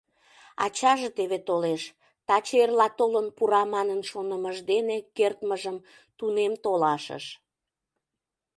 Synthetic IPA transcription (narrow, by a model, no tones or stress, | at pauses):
ɑ̰t͡ɕɑʒet̪eβet̪oleʃ | t̪ɑt͡ɕerlɑt̪olənpuɾɑmɑnənʃonəməʒd̪enekert̪məʒəm | t̪unemt̪olɑʃə̰ʃ